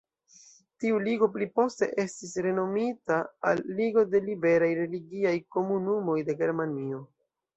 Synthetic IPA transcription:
tiuliɡo̞plipo̞ste̞̰ʔe̞stisɾe̞no̞mitaa̰lːiɡo̞de̞libe̞ɾajɾe̞liɡiajko̞munumo̞jde̞ɡe̞ɾmanio̞

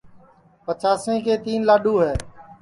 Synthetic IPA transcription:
pət͡ʃaːsẽːkeːt̪iːnlaːɗuːɦɛː

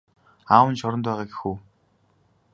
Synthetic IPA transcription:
aːwə̆nt͡ɕʊɾə̆nt̪pæːʁaːɡe̥xuː

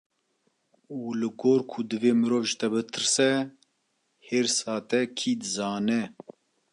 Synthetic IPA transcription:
uːlɨɡoːɾkʰʊd̪ɨveːmɨɾoːvʒɨt̪ɛbɨt̪ʰɨɾsɛ | heːɾsɑːt̪ɛkʰiːd̪ɨzɑːnɛ

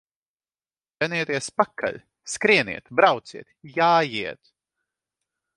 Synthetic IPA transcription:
jʲɛniɛt̪ɛspakʰːa̰lʲ | skɾiɛnḭɛt̪bɾawt̪siɛt̪jaːjiɛt̪

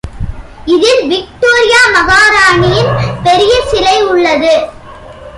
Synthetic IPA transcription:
ɪðɪlʋɪk̚ʈoːɾɪjaːmɐɣaːɾaːɳɪjɪnpɛɾɪjɐsɪlɐɪʊɭːɐðɯ

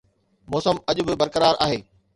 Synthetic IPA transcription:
mɔːsəmɐʄʊ̆bɪbɐɾkəɾaːɾʔa̰ːɦeː

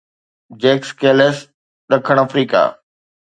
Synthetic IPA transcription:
d͡ʑeːkskeːles | ɗɐkʰəɽ̃ɐfɾiːka̰ː

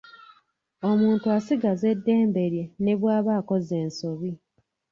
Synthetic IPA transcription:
o̞muːntuasiɡaze̞dːe̞ːmbe̞ɾje̞ne̞βwaːβaːko̞ze̞ːnso̞βi

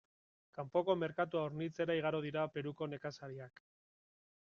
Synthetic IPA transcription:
kampo̞ko̞me̞ɾkat̪uaoɾnit͡se̞ɾaiɣaɾoð̞iɾape̞ɾuko̞ne̞kasaɾiak

